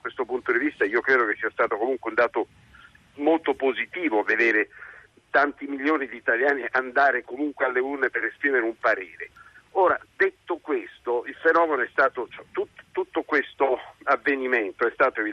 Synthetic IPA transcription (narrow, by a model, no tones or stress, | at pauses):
kwest̪opunt̪od̪ivist̪aiːokɾɛːd̪ok̟esːiast̪aːt̪okomuŋkweund̪aːt̪o | molt̪opozit̪iːvoved̪eːɾe | t̪ant̪imiʎjoːnid̪iːt̪aljaːniʔand̪aːɾekomuŋkwealːeurnepeɾespɾiːmeɾeumpaɾeːɾeoːɾad̪et̪ːokwest̪oilfenɔːmenoɛst̪aːt̪ot͡ʃɛt̪ut̪ːo̥t̪ut̪ːokwest̪oavːeniment̪oɛst̪aːt̪oevi